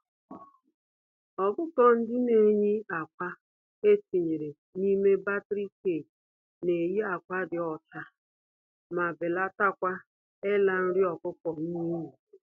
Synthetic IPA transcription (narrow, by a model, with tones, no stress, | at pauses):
ɔ˨kʊ˦kɔ˦n̩˦dɪ˦ne˨ɲi˦a˨kʷa˦ | e˦ti˨ɲe˨ɾe˨ | ni˦me˦ba˦tɾi˦ke˨ | ne˨ji˦a˨kʷa˦dɪ˨ɔ˨t͡ʃa˦ | ma˨bɪ˨la˦ta˦kʷa˦ | ɪ˦la˨n̩˦ɾɪ˦ɔ˨kʊ˦pɔ˨ni˦mu˨